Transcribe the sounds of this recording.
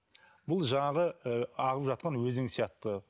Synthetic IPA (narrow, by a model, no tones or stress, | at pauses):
bʊlˠʒɑɴɑʁəɑʁəpʒɑt̪̚qɑnwɵzɪŋsijɑt̪ːə